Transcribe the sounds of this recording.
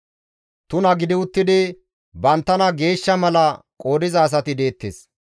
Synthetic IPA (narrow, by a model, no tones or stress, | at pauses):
t̪ʊnɐɡɪd̪ɪʊt̪ːɪd̪ɪ | bɐnt̪ːɐnɐɡe̞ːʃːɐmɐlɐ | kʼo̞ːd̪ɪzɐːs̬ɐt̪ɪd̪e̞ːt̪ːes